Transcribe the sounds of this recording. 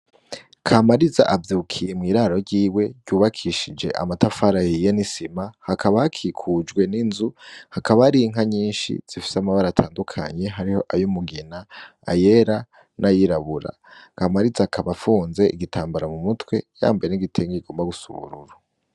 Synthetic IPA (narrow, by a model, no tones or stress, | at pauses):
kʰamaɾiza̰ʔavjuːkʰijemŋiːɾaɾo̞ɾɟiːwe̞ɟuːβakʰiʃid͡ʒe̞̰ʔa̰matafaɾahijenisimahakʰaβahakʰikʰuːd͡ʒɡwe̞ninzuhakʰaβaaɾiŋaɲiːnʃḭz̥ifi̥samaβaɾatʰaːndukʰa̰ɲe̞ɦaɾiho̞ʔajumuɡina | a̰je̞ɾa | nʔajiɾaβuɾa̰ | kaːmaɾizakʰaβafuːnze̞ʔiɡitʰaːmbaɾamumutwe̞ja̰ːmbajeniɡitʰeːŋɡiiɡ̥o̞ːmbaɡusṵβṵɾṵɾa